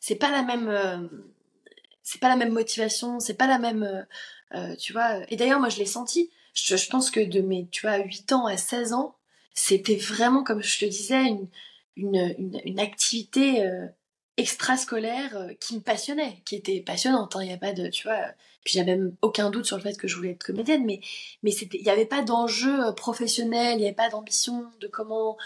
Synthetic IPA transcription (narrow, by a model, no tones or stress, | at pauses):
sɛpalamɛmø | sɛ̥palamɛmːɔt̪ivasjɔ̃sɛpalamɛmøø̰t̪yvwaøʔed̪ajœʁmwaʒəlɛsɑ̃t̪i | ʒəʒəpɑ̃skəd̪əmet̪yvwaɥit̪ɑ̃asɛzɑ̃ | set̪ɛvʁɛmɑ̃kɔmʒət̪əd̪izɛyn | ynøyny̰nakt̪ʰivit̪eø | ɛkst̪χaskɔlɛʁøkʲiməpasjɔnɛkʲiet̪ɛpasjɔnɑ̃t̪ɛ̃ilavɛpad̪ət̪yvwaø̰ | pɥiʒavɛɛmokʲɛ̃d̪ut̪syʁləfɛt̪kəʒəvulɛːt̪χkɔmed̪jɛnmɛmɛset̪ɛiljavɛpad̪ɑ̃ʒøpχɔfɛsjɔnɛliljavɛpad̪ɑ̃bisjɔ̃d̪əkɔmɑ̃